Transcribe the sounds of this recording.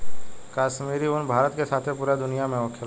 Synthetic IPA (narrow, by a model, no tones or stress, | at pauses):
kaːʃmiːɾiʊnbʱaːɾət̪kesaːt̪ʰẽpuːɾad̪ʊnijamẽɔːkʰe